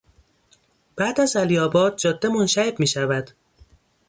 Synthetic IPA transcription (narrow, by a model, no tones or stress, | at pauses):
b̥æːd̪æzælijɒːbɒːd̪̚d͡ʒɒːd̪ːemonʃæebmiːʃævæd̪̥